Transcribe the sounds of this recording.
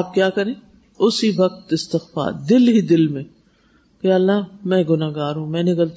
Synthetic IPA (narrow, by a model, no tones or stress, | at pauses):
aːp̚kjaːkɐɾẽː | ʊsiʋɐk̚t̪ɪst̪ɪxfa̰ːɾd̪ɪlɦid̪ɪlmẽː | kjaːɐlːamɛ̃ːɡʊnaːɡaːɾɦũːmɛ̃ːnɪɡɐlt̪